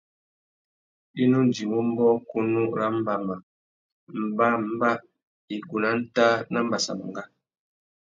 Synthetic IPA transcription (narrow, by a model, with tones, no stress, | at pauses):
i˦nu˦n̩˨d͡ʒi˨mu˦m˦bɔ˦ku˦nu˦ɾa˦m̩˦ba˨ma˨ | m̩˨ba˦m̩˨˦ba˦ | i˨ɡu˨na˦n̩˦ta˦na˦m̩˦ba˨sa̰˨m˨ŋ˨ɡa˦